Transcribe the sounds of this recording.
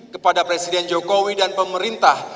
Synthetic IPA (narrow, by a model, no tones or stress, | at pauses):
kəpadapɾesidɛnd͡ʒokowidanpəməɾint̪ah